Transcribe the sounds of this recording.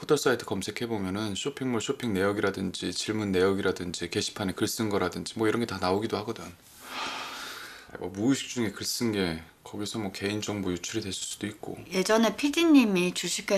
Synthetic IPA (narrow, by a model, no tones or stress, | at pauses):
pʰotʰʌs͈aitʰɯ̥kʌmsʰe̞kʰe̞bomjʌnɯnɕʰopʰiŋmuɭɕʰopʰiŋne̞jʌɡiɾadɯnd͡ʑit͡ɕiɭmunːe̞jʌɡiɾadɯnd͡ʑike̞ɕʰi̥pʰanekɯɭs͈ɯnɡʌɾadɯnd͡ʑimwʌiɾʌnɡe̞tanaoɡidohaɡʌdɯn | a̰mʌ̰muːɕʰi̥k̚t͡ɕ͈uŋe̞kɯɭs͈ɯnɡe̞ | kʌɡisʰʌmwʌke̞ind͡ʑʌŋbojut͡ɕʰuɾidwe̞ɭs͈s͈u̥d̥oik̚k͈o̰je̞d͡ʑʌne̞pʰidiɲːimit͡ɕuɕʰik͈ʰe